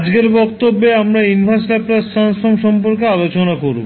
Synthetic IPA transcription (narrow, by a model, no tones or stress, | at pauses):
d͡ʑɡeɾbɔkt̪obːeamɾainbʱaslaplasanɔmʃɔmpoɾkealot͡ɕonakoɾb